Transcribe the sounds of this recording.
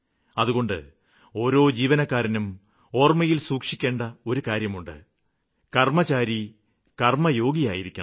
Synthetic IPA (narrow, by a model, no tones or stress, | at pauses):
ɐðuɣo̞ɳɖɨ̰ | o̞ːɾo̞ːd͡ʑiːʋɐnɐkːaːɾɐnum | o̞ːrmɐjilsuːkʂikʲːe̞ːɳɖɐo̞ɾukaːɾjɐmuɳɖɨ̰ | kɐrmɐt͡ɕaːɾi | kɐrmɐjo̞ːɡija̰ːjiɾikʲːɐ